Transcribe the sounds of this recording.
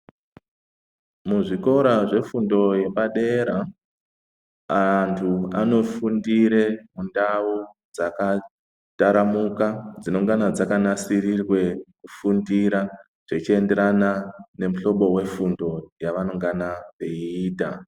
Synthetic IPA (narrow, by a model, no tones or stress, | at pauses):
muʐiko̞ɾaʐe̞fundo̞je̞paɗe̞ɾa | antʰuano̞fundiɾemundawu | d͡zaka | taɾamukad͡zino̞ŋɡanad͡zakanasirirwe̞kufundiɾa | ʐ̥et͡ʃie̞nde̞ɾanane̞muɬo̞ɓo̞we̞fundo̞jaʋano̞ŋɡanaʋe̞iiːta̰